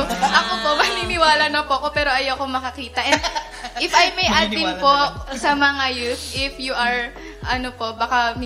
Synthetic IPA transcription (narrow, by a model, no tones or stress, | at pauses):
ʔɐkopo̞mɐninɪwaːlɐnɐpoʔɐko̞pɛːɾo̞ʔɐjɐwkomɐkɐkiːt̪ɐʔɛnnd̪ | ʔɪfɐjmɐjʔɐt̪ɪmpo̞sɐmɐŋajut̪ʔɪfjuʔɐɹ | ʔɐnopo̞ʔbakam